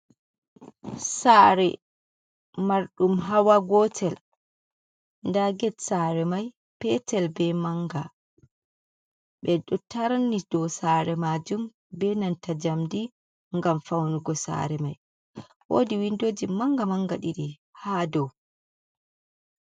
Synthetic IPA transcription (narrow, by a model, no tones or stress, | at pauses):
saːɾɛ̰ | maɾɗumɦawaɡɔtʰɛl | ndaɡɛtsaɾɛmaj | pɛtɛlbɛmaŋɡa | ɓɛɗɔtaɾanːid̥ɔsaɾɛmad͡ʒum | bɛnantad͡ʒamdi | ŋɡamfawnuɡɔsa̰ɾɛmaj | wo̰ːdiwindod͡ʒimaŋɡamaŋɡaɗiɗi | hadɔw